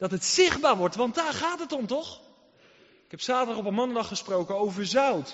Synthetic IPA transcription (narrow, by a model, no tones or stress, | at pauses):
d̥ɑtɦətsɪχbaːɹʋɔɹtʋɑntdaːɹχaːtɦətɔmtɔχ | ɪkɦɛpsaːtədɑχɔpənmɑnədɑχəsprowkənowvəɹzœwt